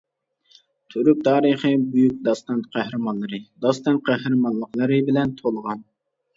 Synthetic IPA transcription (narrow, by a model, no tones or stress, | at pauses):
t̪ʰøɾyk̚ʲt̪ʰɑːɾəχəbujyk̚ʲd̪ɑst̪ɑnt̪qʰæhɾɨmɑnlˠɨɾɨd̪ɑst̪ɑnqʰæhɾɨmɑnlˠəqlˠɨɾɨbɪlɛnt̪ʰolˠəʁɑn